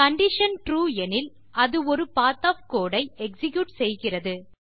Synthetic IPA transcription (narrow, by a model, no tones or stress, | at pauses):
kɐɳɖɪʂɐnʈɾuːɛnɪl | ɐðɯɔɾɯpaːt̪aːfkoːɽɐɪɛksɪkjuːʈsɛjɣɪrɐðɯ